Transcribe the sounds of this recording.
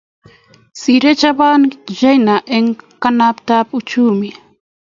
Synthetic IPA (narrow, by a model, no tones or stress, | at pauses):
siɾet͡ʃabanʒajnaʔeŋkanapt̪apʊt͡ʃuːmɪ